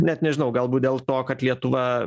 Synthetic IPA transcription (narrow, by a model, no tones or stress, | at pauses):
nʲɛt̪nʲɛʒʲɪnɐʊɡɐlˠbuːt̪̚d̪ʲeːlˠt̪oːkɐt̪lʲiɛt̪ʊʋɐ